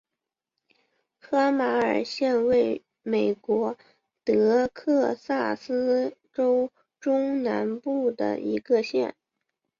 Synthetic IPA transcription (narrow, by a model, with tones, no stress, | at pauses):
kʰɤ˥ma˧˥ə̰˞˨˩ɕjɛ˥˧nwe˥˩ɪ | me˨˩ɪkwɔ˧˥ | t̪ɤ˧˥kʰɤ˥˧sa˥˩sɹ̩˥ʈ͡ʂo˥ʊ | ʈ͡ʂʊ˥ŋna˧˥npu˥˩d̪ə̰˩ḭ˧˥ɡə˧ɕjɛ̰˥˩n